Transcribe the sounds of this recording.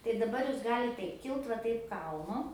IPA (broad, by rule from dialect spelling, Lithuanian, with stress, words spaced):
tɐɪ dɐˈbɐr ˈjuːs ˈɡɑːlʲɪt ˈtɐɪp ˈkʲɪlˠt ʋɐ ˈtɐɪp ˈkɐlˠnʊ